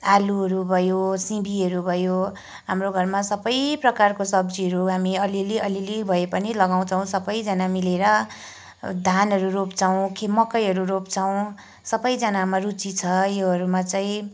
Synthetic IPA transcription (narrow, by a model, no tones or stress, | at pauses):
aluɦʌɾubʱʌjosibʱiɦʌɾubʱʌjo | ɦamroɡʱʌrmasʌbʌjprʌkarkosʌbd͡ziɦʌɾuɦamiʌliliʌlilibʱʌepʌnilʌɡaw̃t͡sʰʌw̃sʌbʌjd͡zʌnamileɾʌ | d̪ʱanɦʌɾuropt͡sʰʌw̃kʰemʌkʌjɦʌɾuropt͡sʰʌw̃ | sʌbʌjd͡zʌnamarut͡sit͡sʰʌjoɦʌɾumat͡saĩ